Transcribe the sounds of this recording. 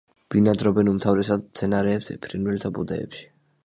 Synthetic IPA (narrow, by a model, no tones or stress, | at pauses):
b̥inad̪ɾɔbɛnumt̪ʰavɾɛsad̪t̪sʰɛnaɾɛːbz̥ɛ̰pʰɾinvɛlt̪ʰabud̪ɛ̰ɛ̰pʃi̥